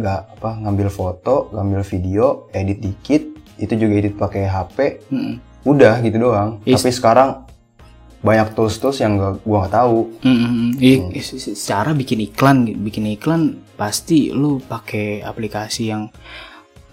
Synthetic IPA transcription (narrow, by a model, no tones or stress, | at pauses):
ŋɡaʔapaŋambɪlfot̪oŋambɪlfidioedɪt̪̚dikɪt̪̚it̪ud͡ʒuɡaedɪt̪̚pakeɦapem̩ | udahɡit̪udoaŋt̪apisə̥kaɾaŋ | baɲak̚t̪ʊst̪ʊsjaŋɡaʔɡuaŋɡaʔt̪aum̩ | ə̥t͡ʃaɾabikɪniklanbikɪniklanpast̪ilupakea̰plikasijaŋ